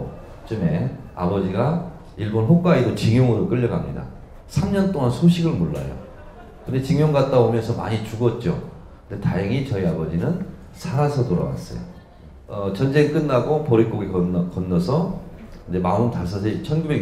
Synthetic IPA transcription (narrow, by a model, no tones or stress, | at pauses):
t͡ɕɯme̞a̰bʌd͡ʑiɡa | iɭbonɸok͈waidot͡ɕiŋjoŋɯɾok͈ɯʎːʌɡamɲida̰ | sʰamɲʌnt͈oŋansʰoɕʰiɡɯɭmoɭːa̰jo̰ | kɯndet͡ɕiŋjoŋɡat̚t͈aomjʌnsʰʌma̰ɲit͡ɕuɡʌt̚t͡ɕ͈o | kɯnde̞ta̰jʌŋit͡ɕʌiabʌd͡ʑinɯn | sʰaɾasʰʌtoɾa̰ɡa̰s͈ʌ̰jo̰ | ʌt͡ɕʌnd͡ʑe̞ŋik͈ɯnːaɡopʌɾik͈oɡikʌnkʌnːʌsʰʌind͡ʑe̞maɯntas̬͈ʰʌsʰet͡ɕʰʌnɡube̞